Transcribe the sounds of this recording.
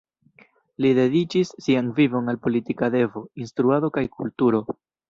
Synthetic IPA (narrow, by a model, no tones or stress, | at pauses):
lide̞dit͡ʃisːianvivo̞nalpo̞litikade̞vo̞inst̪ɾuado̞kajkultuɾo̞